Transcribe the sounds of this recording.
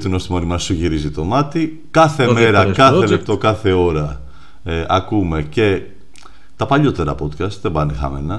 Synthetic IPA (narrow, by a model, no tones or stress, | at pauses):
t̪inost̪imɐnimɐsuʝiɾizit̪o̞mɐt̪i | kɐθe̞me̞ɾɐkɐθelep̚t̪o̞kɐθe̞o̞ɾɐ | ʔɐkume̞ce̞ | t̪ɐpɐʎo̞t̪e̞ɾɐ̰po̞t̪kɐst̪ðebɐnexɐ̰menɐ